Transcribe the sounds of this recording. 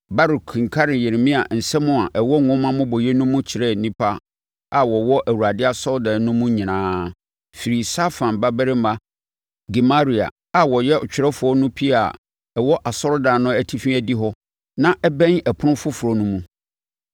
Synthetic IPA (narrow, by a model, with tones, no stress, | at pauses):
ba˦ɾu˨kʰĩ˨ŋ̩˨kʰa˦ɾɪ̃˨je˨ɾmĩ˦a˨n̩˨sɛ˦mʊ̃˦a˨ʔɛ˨wɔ˦˨ŋʊ̃˦mã˦mʊ̃˦bɔ˨je˦nũ˦mũ˦t͡ɕʰɪ˨ɾɛ˦˨nĩ˦pʰa˦ | a˨wɔ˨wɔ˦ʔæ˨wu˨ɾa˨dɪ˦a˨sɔ˦lda˨˦nʊ̃˦mũ˦ɲĩ˨nãː˦ | fi˨ɾi˨sa˦fã˨n˨ba˦bɛ˦ɾɪ˦m˦a˦ | ɡi˨ma˦ɾi˨a̰˨ | a˨wɔ˨jɛ˦ʊ˨t͡ɕᶣɪ˨ɾɛ˦fʊ˨ɔ˦nʊ̃˦pʰi˦a˨ | ɛ˨wɔ˦ʔa˨sɔ˦lda˨nʊ̃˦æ˨tʰi˦fi˦æ˨di˦ɦɔ˦ | nã˦ʔɛ˦bɛ̃˦ŋɛ˨pʰʊ˦nʊ̃˦fʊ˦fʊ˨ɾɔ˨nũ˦mũ˦